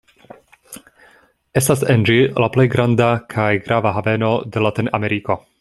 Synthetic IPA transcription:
e̞stasend͡ʒilaple̞jɡɾandakʰajɡɾavaɦave̞no̞de̞latina̰me̞ɾiko̞

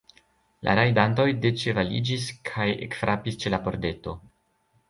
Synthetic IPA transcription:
lʔa̰ɾajdanto̞jdet͡ʃe̞valḭd͡ʒiskʰajḛkfɾʔapist͡ʃe̞lapo̞ɾde̞to̞

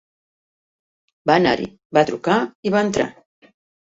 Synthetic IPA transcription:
bana̰ɾḭ | bat̪ɾukaiβaənt̪ɾa̰

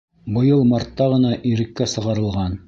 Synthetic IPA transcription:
bɤ̆jɤlˠmɑɾt̪ːɑʁɤ̆nɑʔiɾɘ̆kːæsɤ̆ʁɑɾɤ̆lˠʁɑn

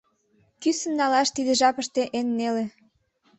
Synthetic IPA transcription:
kysə̆mnɑlɑʃt̪id̪ə̆ʒɑpəʃt̪eʔenːele

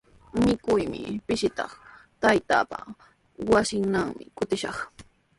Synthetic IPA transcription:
mɪkʊjmɪpɪʃɪt̪ɑ̰χt̪ajt̪a̰ːpa̰ | wasɪŋnaŋmɪkʊt̪ɪʃɑχ

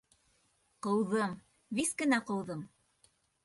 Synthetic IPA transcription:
qɤ̆wðɤm | viskɘ̆næqɤ̆wðɤm

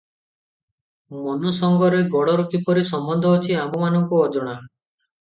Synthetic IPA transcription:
mɔnɔsɔŋɡɔɾeɡɔɽɔɾukipɔɾisɔmbɔnd̪ʱɔːt͡ʃʰiambɔmanɔŋkuɔd͡ʒɔɽ̃a

